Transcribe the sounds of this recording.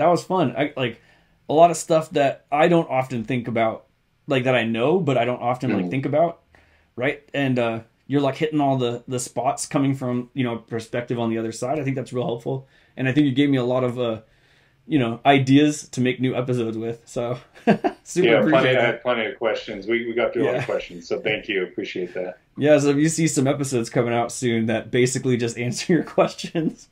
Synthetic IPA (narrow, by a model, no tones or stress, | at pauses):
ðət̚wʌz̥fʌ̃na̰ɪlaɪk | əlɔɾʌv̥stʌfðɨɾaɪɾõʊ̃ntɑfɨ̃nθɪ̃ŋkəbaʊt̚ | laɪk̚ðɨɾaɪnoʊbʌɾaɪɾõʊ̃ntɑfɨ̃nlaɪk̚θɪ̃ŋkɨbaʊt̚ | ɹaɪt̚ɨ̃nʌ | jə˞laɪkhɪɾɪ̃ŋɔlˠðəðəspɑtskʰʌ̃mɪ̃ŋfɹʌ̃mjɨnoʊəpʰə˞spɛk̚tɨṽn̩ðiʌðə˞saɪɾaɪθɪ̃ŋk̚ðætsɹɪlˠhɛlˠpfl̩ˠ | ʔɨ̃ñaɪθɪ̃ŋkjɨɡeɪvmiəlɔɾʌvʌ | jɨñoʊʔaɪdiɨz̥tʰɨmeɪk̚nʉɛpɨs̬oʊdzwɪð̥soʊ | sʉə˞pɹ̥iniɨd̚pʰl̥ʌñiʌ̥kʰw̥ɛst͡ʃɨ̃nzwiwiɡɑt̪̚θɹʉkʰw̥ɛst͡ʃɨ̃nz̥soʊθæ̃ŋkʰjʉɨpʰɹ̥iʃieɪt̪̚ðæt̚ | jæs̬oʊjɨsisʌ̃mɛpɨsoʊdz̥kʰʌ̃mɪ̃ŋaʊtsʉ̃nðɨt̚b̥eɪsɨklid͡ʒʌstæ̃nsə̥˞jə˞kʰw̥ɛst͡ʃɨ̃nz̥